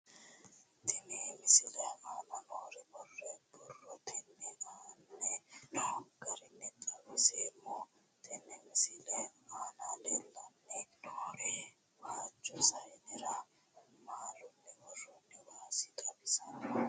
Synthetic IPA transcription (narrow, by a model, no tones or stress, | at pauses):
t̪ʰɪneːmɪsɪlɐhmaːnɐnoːɾɛbɔrːɛbɔrːɔt̪ʰɪnːɛaːnːɛ | ɡɐɾɪnːɛt̪ʼɐwɪseːmːɔ | t̪ʰɪnːɛmɪsɪlɐhaːnalelːɐnːɛnoɾɛ | waːt͡ʃːɔsɐjnɪɾɐ | maːlʊnːɛbɔrːɔnːɛwaːsɪt̪ʼɐbɪsɐnː